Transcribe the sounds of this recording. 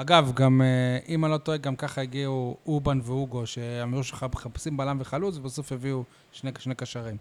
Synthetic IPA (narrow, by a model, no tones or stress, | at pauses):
aɡavɡameʔimalo̞t̪oeɡamkaχaeɡiuubanveuɡo̞ʃeamiuʃeaχapsimbalamveχalut͡svbaso̞feviu | ʃneʃnekaʃaʁim